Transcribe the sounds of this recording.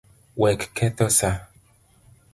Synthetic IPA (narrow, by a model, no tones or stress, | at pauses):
wɛkkʰɛtosa